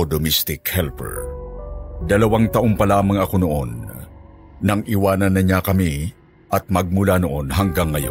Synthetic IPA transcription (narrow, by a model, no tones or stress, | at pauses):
od̪omist̪ɪkhɛlpɛ̰ɹ | d̪ɐlɐwaŋt̪ɐʔo̞mpɐlaːmɐŋɐko̞noʔo̞nː | ɐŋʔiwaːnɐnːɐɲakɐmi | ʔɐt̪̚mɐɡ̚mʊlanoʔo̞nɦɐŋɡaŋːɐjo̰